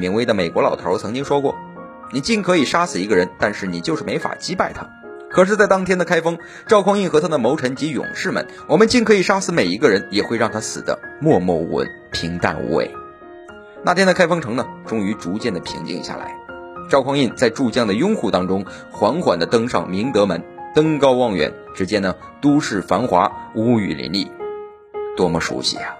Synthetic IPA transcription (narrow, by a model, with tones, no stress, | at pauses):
mi˧˥ŋwe˥ɪd̪ə˨me˨˩ɪkwɔ˧˥lɑ˨˩ʊt̪ʰə̰˧˥t͡sʰɤ˧˥ŋt͡ɕi˥ŋʂwɔ˥kwɔ̰˥˩ | ni˨˩t͡ɕi˥˩nkʰɤ˧˥i˨˩ʂa˥sɹ̩˨˩i˧˥ɡə˧ɻə˧˥nt̪a˥˧nʂɻ̩˥˩ni˨˩t͡ɕjo˥˧ʂɻ̩˥˩me˧˥ɪfa̰˨˩t͡ɕi˥pa˥˩ɪt̪ʰa̰˥ | kʰɤ˨˩ʂ̬ɻ̩˥˧t͡sa˥˩ɪt̪ɑ˥ŋt̪ʰjɛ˥nd̪ə˨kʰa˥ɪfɤ˥ŋ | ʈ͡ʂɑ˥˧ʊkʰɑ˥ŋi˥˩nxɤ˧˥t̪ʰa˥d̪ə˨mo˧˥ʊʈ͡ʂʰə˧˥nt͡ɕi˧˥jʊ̰˨˩ŋʂɻ̩˥˩mə̰˩n | wɔ˨˩mə˦nt͡ɕi˥˩ŋkʰɤ˧˥i˨˩ʂa˥sɹ̩˧˩me˨˩ɪi˧˥ɡə˧ɻə˧˥njɛ˨˩xwe˥˧ɪɻɑ˥˩ŋt̪ʰa˥sɹ̩̰˨˩d̪ə̰˦mwɔ˥˧mwɔ̰˥˩wə̰˧˥n | pʰi˧˥ŋt̪a̰˥˩nṵ˧˥wḛ˥˩ɪ | na˥˩t̪jɛ˥nd̪ə˨kʰa˥ɪfɑ˥ŋʈ͡ʂʰɤ˧˥ŋnə˨ʈ͡ʂʊ˥ŋy˧˥ʈ͡ʂu˧˥t͡ɕjɛ˥˩nd̪ə˩pʰḭ˧˥ŋt͡ɕḭ˧ŋɕja̰˥˩la̰˧˥ɪʈ͡ʂɑ˥˧kʰwɑ˥˧ŋi˥˧nt͡sa˥˧ɪʈ͡ʂu˥˧t͡ɕjɑ˥˩ŋd̪ə˩jʊ˥ŋxu˥˩t̪ɑ˥ŋʈ͡ʂʊ˥ŋ | xwa˧˥nxwa̰˨˩nd̪ə˦t̪ɤ˥ŋʂɑ̰˥˩ŋmi˧˥ŋt̪ɤ˧˥mə˧˥nt̪ɤ˥ŋkɑ˥ʊwɑ˥˩ŋɥɛ̰˨˩˦n | ʈ͡ʂɻ̩˧˥t͡ɕjɛ˥nd̪ə˨ | t̪u˥ʂɻ̩˥˩fa˧˥nxwa˧˥u˧˥y̰˨˩lḭ˧˥nlḭ˥˩ | t̪wɔ˥mɔ˧ʂṵ˧˥ɕḭ˧˥˩ɐ˩